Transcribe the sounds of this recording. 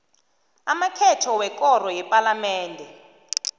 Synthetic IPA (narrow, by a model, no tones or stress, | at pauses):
amakʰɛtʰɔwɛk̬ʼɔr̤ɔjɛpʼalamɛːndʱɛ